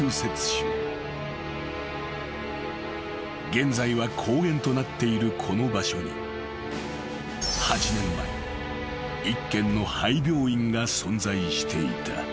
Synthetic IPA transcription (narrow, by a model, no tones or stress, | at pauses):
ɯːse̞t͡sɨ̥ɕɨ | ɡẽ̞nd͡zaiβakʰo̞ːɡẽ̞nt̪o̞nat̪ːe̞iɾɯ̟kʰo̞no̞baɕo̞ɲḭ | hat͡ɕinẽ̞mːaḛ | ikːẽ̞nːo̞haibʲjo̞ːĩŋɡasõ̞nd͡zaiɕi̥t̪ʰe̞ḭt̪ʰa̰